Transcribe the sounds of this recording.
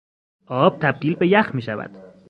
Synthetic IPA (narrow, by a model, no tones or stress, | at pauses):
ʔɒːb̥̚t̪ʰæb̚d̪iːlbe̞jæxmiːʃævæ̰d̪̥